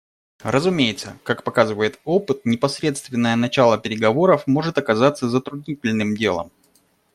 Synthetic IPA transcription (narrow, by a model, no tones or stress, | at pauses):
ɾəzʊmʲejɪt̪sə̰kakpɐkazɨvəjɪt̪o̞pɨt̪̚nʲɪpɐsɾʲe̞t̪st̪vʲɪnːəjənɐt͡ɕalˠəpʲɪɾʲɪɡɐvo̞ɾəfmo̞ʐɨt̪ɐkɐzat̪sːəzət̪ɾʊdʲnʲitʲɪlʲnɨmdʲe̞̰lˠə̰m